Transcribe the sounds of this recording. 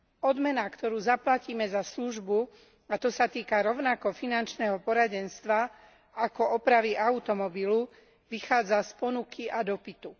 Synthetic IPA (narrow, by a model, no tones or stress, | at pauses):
ɔd̪mɛnakt̪ɔɾuːzaplaciːmɛzasluʒbu | at̪ɔsat̪iːkaɾɔʊnakɔfinant͡ʃnɛːɦɔpɔɾaɟɛnst̪ʋa | akɔʔɔpɾaʋiʔaʊt̪ɔmɔbilu | ʋixaːd͡zaspɔnukʰiʔad̪ɔpit̪u